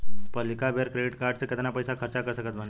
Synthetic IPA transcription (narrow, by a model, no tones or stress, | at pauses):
pəlikabʱeɾkɾeɖiʈkaɾɖsekət̪enapəjsakʰəɾt͡ɕakəɾsəkət̪mən